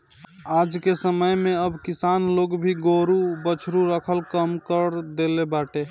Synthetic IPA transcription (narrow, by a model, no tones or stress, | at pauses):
ad͡ʒkesəməjmeəbkisanloɡbʱiɡoɾubət͡ʃʰɾuɾəkʰəlkəmkəɾd̪elebaʈe